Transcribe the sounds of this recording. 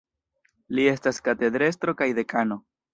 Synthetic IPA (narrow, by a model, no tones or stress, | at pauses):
lie̞staskate̞d̪ɾe̞s̬tɾo̞kajde̞kano̞